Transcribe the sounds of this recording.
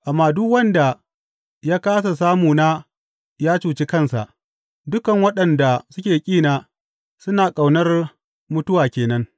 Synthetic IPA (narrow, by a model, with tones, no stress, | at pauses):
ʔa˨mːaː˨dʊ˦kwɐ˦nda˨ | jaː˦kaː˦s̬a˨s̬aː˦muː˨na˦ | jaː˦t͡ʃuː˨t͡ʃi˦kɐ˦˨nsa̰˨ʔ | dʊ˦kɐ˨ŋwɐ˦ɗɐ˨nda˨sʊ˦kʲeː˨kʲʼiː˦˨naː˨ | sʊ˦naː˨kʼa˨wnɐ˦r | mʊ˦tʊ˦waː˨kʲeː˨nɐ˦ŋ